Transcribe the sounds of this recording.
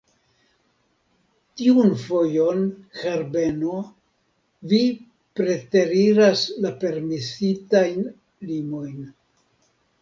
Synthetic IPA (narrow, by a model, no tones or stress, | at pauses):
tiunfo̞jo̞nhaɾbe̞no | vi | pɾe̞te̞ɾiɾaslape̞ɾmisitajn | limo̞jn